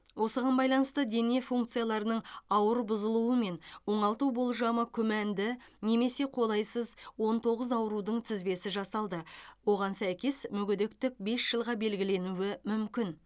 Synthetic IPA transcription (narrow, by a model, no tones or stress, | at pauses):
wʔo̞səʁɑnbɑjlˠɑnəst̪əd̪e̞ne̞fuŋk̚t̪sɨjalˠɑɾənəɴɑwəɾbʊzəlˠuəme̞nwo̞ɴɑlˠt̪ubo̞lˠʒɑməkʲʰʏmænd̪ɪne̞me̞se̞qʰo̞lˠɑjsəzwo̞nt̪ʰo̞ʁəzɑwəɾud̪əɴt̪ʰɪzbe̞sɪʒɑsɑlˠd̪əwo̞ʁɑnsæjkʲe̞smʏɡʲʏd̪e̞k̚t̪ɪk̚be̞sʒ̥əlˠʁɑbe̞lɡʲɪle̞nuwɪmʏmkʲɪn